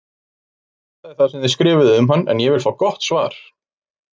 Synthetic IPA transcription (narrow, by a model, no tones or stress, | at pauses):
θ | ɛt̪aɛɾ̥θaðsɛmðɪskɾɪːvɪðʏmɦanːɛ̰njɛvɪlfaːwkɔht̪svaːɾ̥